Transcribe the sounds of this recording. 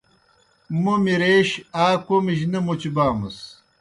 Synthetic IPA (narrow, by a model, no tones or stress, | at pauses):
mumiɾeːɕaːkomiʑ̬nɐmot͡ɕibaːmɐ̰s